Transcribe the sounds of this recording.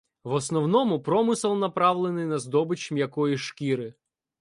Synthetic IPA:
ʋɔsnɔwnɔmʊpɾɔmɪsɐlˠnɐpɾɑwlˠenɪjnɐzd̪ɔbɪt͡ʃmjɐkɔjiʃkʲiɾɪ

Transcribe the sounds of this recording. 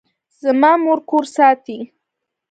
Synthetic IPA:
z̥əmɑmoɾkoɾsɑt̪i

